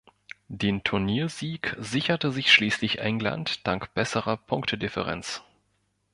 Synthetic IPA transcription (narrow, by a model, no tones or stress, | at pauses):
d̥eːntʰʊɐniːɐziːkzɪçɐtəzɪçʃliːslɪçʔɛŋla̰ntd̥aŋkb̥ɛsəʁɐpʰʊŋktʰədɪfə̰ʁɛ̰nt͡s